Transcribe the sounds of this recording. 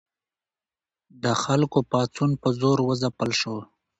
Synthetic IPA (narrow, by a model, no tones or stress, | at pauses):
d̪əxalkopɑt͡sunpəzoɾwəzapəlʃo